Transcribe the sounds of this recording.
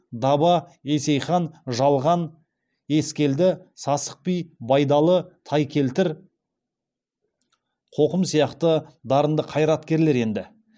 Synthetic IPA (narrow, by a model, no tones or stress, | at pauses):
d̪ɑbɑe̞se̞jχɑnʒɑlˠʁɑn | e̞skʲe̞ld̪ɪsɑsə̥q̚pijbɑjd̪ɑlˠət̪ʰɑjkʲʰe̞lt̪ɪɾ | qʰo̞qəmsijɑqt̪əd̪ɑɾənd̪əqʰɑjɾɑt̪kʲe̞ɾle̞ɾe̞nd̪ɪ